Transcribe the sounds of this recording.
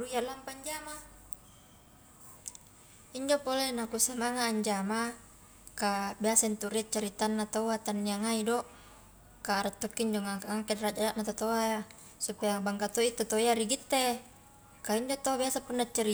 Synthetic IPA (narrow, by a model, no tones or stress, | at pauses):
ruijalampaɲd͡ʒama | iɲd͡ʒopolenakusamaŋaːɲd͡ʒama | kabiasaint̪uɾiat͡ʃaɾit̪anːat̪aat̪anːiaŋaidoʔ | kaːɾat̪ːokːiːɲd͡ʒoŋakaŋakedɾad͡ʒadaʔnat̪ot̪oaja | supajaŋbaŋkat̪oit̪ːot̪oiaɾiɡit̪ːe | kaiɲd͡ʒot̪oabiasapunːat͡ʃːaɾi